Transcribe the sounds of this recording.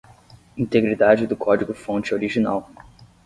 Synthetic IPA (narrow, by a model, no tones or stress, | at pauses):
ĩnt̪eɡɾid̪ad͡ʒɪd̪ʊkʰɔd͡ʒiɡʊfõnt͡ʃɪoɾiʒina̰w